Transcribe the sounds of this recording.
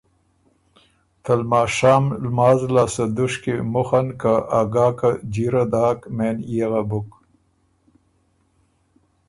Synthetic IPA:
t̪ɐlmaːʂaːmlmaːzlaːsɐd̪uʂkemʊxankaʔaɡaːkad͡ʑiɾad̪aːkmeːnjaɣabʊk

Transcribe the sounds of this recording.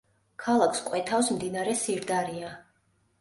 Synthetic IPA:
kʰalˠakʰskʼwɛt̪ʰafsmd̪inaɾɛsiɾd̪aɾia

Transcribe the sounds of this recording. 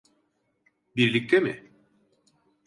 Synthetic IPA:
biɾlʲic̚t̪ʰemɪ̰

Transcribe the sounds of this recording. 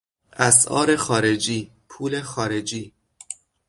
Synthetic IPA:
ʔæsʔɒ̰ːɾexɒːɾe̞d͡ʒiː | pʰuːlexɒːɾe̞d͡ʒiː

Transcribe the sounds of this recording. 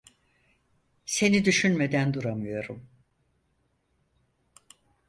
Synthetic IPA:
se̞nid̪yʃynmed̪ænd̪uɾamɯjo̞ɾum

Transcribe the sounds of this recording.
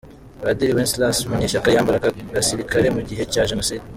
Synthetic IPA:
ɾadiɾiwenslasumuɲeʃakajaːmbaɾaɡaɡasiɾikaɾe̞muɟiɦe̞caːʒenosid

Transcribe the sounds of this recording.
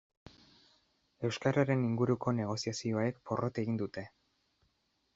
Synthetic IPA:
e̞wskaɾaɾe̞niŋɡuɾuko̞ne̞ɣ̞o̞siasio̞aekpo̞rʔo̞t̪e̞ɣind̪ut̪e̞

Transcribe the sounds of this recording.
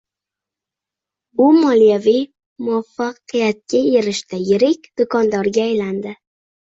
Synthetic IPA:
ʊmɒlˠijavij | mʊwafːɑqɨjat̪̚kʲʰaeɾɪʃt̪ajɪɾɪkʲd̪̥ʊkʰɒnd̪ɒɾɡʲaːjland̪ɪ

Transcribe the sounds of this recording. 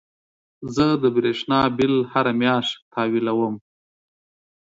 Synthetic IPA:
zəd̪əbɾeʂnɑbɪlhaɾamjɑːʂt̪ʰɑwilawəm

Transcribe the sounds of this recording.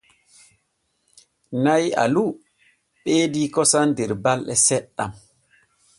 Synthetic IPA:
naja̰lu | ɓeːdikɔsandɛɾbalɗɛsɛɗːa̰m

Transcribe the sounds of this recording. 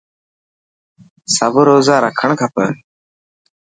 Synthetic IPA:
səbəɾoːzaːɾaːkʰəɳkʰapə̰

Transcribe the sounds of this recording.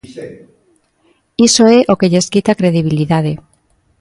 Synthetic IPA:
isoɛʔokeʎeskit̪akɾeðiβ̞iliðað̞e

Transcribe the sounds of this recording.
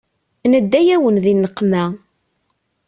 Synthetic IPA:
nəd̪ːæjæwənðinːəqːmæ

